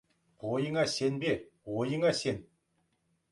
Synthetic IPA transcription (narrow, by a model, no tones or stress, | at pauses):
ojəɴɑse̞nbewojəɴɑse̞n